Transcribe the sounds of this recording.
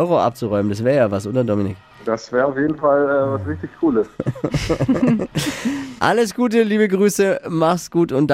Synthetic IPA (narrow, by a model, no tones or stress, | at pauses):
ʏʁoʔa̰p̚t͡suʁɔʏməndas̬v̥ɛːɐjaːvasʔʊntɐdɔmɪnɪk | d̥asv̥ɛːɐaʊjeːdn̩falɛvasʁɪçtɪçkʰuːləs | ʔaləsɡ̥uːtəliːbəɡʁyːsəmaχsɡ̥uːtʊntd̥